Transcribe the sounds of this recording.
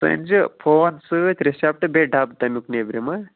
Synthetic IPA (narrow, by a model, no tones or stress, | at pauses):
sɨ̰nʲd͡ʒɨpʰoːnsɨt̪ʲɾesap̚ʈɨbʲeɖabd̪ɐmʲuknebɾemɐ